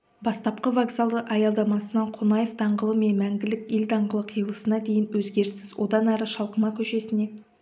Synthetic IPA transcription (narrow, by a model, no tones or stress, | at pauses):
bɑst̪ɑp̚qəvoɡzalˠd̪əʔɑjɑlˠd̪ɑmɑsənɑɴqʰonɑjefd̪ɑɴɢəlˠəme̞nmæŋɡʲɪlɪkʲeld̪ɑɴʁəlˠəqʰijəlˠəsənɑd̪e̞jɪnwɵzɡʲe̞ɾsɪzwo̞̰d̪ɑnæɾəʃɑlˠqəmɑkʲʰɵʃe̞sɪne̞